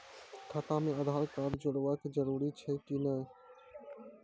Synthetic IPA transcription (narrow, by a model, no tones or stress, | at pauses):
t̪ʰaːt̪ãːmẽːəd̪ʱaːlkaːɾd͡ʒʊɽʋəːkd͡ʒəɾuːɾiːt͡ʃʰeːkiːnə